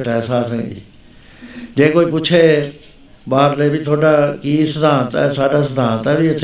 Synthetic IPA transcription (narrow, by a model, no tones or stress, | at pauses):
ʈɛsaːsə̃ŋd͡ʒḭː | d͡ʒeːkoːiːpʊt͡ʃʰeː | baːɾleːbʱiːt̪ʰoːɖaːkiːsəd̪ãːt̪ɛ̰saːɖaːsəd̪ʱãːnt̪ɛːbiːəsʰ